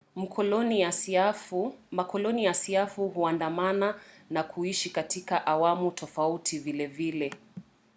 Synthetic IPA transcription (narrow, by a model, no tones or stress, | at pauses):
m̩kɔna | makɔlɔnijasiafuɦuandamananakʰuiʃikatikaʔawamutʰɔfautʰivilɛvilɛ